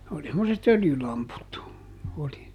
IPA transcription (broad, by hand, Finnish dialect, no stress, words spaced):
oli semːoset øljylɑmput oli